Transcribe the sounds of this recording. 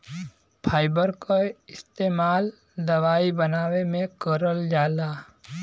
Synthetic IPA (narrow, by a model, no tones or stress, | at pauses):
pʰaːɪbəɾkoɪst̪eːmaːl | d̪ɐʋaːibənaːwemẽkəɾəld͡ʒaːlaː